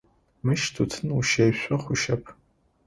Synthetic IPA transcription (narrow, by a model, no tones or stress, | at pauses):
mɨʃtʰutʰɨnuʃejɕʷʼɐχʷʊʃɐpʰ